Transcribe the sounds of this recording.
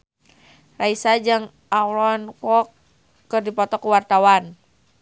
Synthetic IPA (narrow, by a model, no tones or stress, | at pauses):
raisad͡ʒɨŋ | awlɔnkɔkː | ɨrdipɔt̪ɔkuwart̪awan